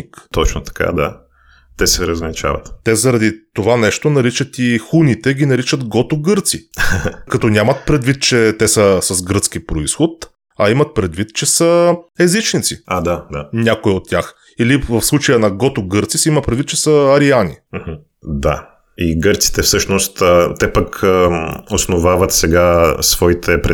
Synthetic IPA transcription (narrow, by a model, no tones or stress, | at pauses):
ikt̪ɔt͡ʃnot̪ɐ̥ka̰d̪a̰ | t̪ɛsɛɾəzvɐnit͡ʃa̰vɐ̰t̪t̪ɛzɐɾɐd̪it̪ovanɛʃt̪onɐɾit͡ʃət̪ixunit̪ɛɡʲinɐɾit͡ʃət̪ɡɔt̪oɡɤɾt̪sikɐt̪ɔnʲamɐt̪̚pɾɛd̪vit̪̚t͡ʃɛt̪ɛsəsɐzɡɾɤt̪sk̟ipɾoisxot̪ | ɐimɐt̪̚pɾɛd̪vit̪t͡ʃɛsəɛzit͡ʃnit̪siad̪ad̪anʲakoiot̪ʲːjax | ilivəfslˠut͡ʃəjənɐɡɔt̪oɡɤɾt̪sisɛimətpɾɛd̪vit̪̚ːt͡ʃɛsəːɾianḭm̩hm̩ | d̪a̰ | iɡɤɾt̪si̥t̪ɛfsɤʃnost̪ət̪ɛpəkʰ | osnovavət̪sɛɡasvɔit̪ʰɛpɾɛ